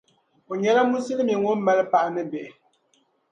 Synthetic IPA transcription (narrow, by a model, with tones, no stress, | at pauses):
o˨ɲɛ˨˦la˦mu˦si˦lmi˨ŋo˦m̩˦mɛ˦lpa˦˨ʔnɨ˦be˨ʔ